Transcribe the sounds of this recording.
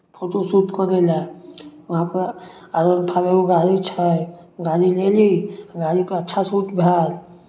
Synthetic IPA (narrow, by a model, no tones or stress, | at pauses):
pʰoʈosut̪kəɾelaʋəɦãpə | aɾənpʰabekoɡaɾit͡ʃʰaɡaɾileliɡaɾipəɾətːʃʰasuːʈbʱjaːl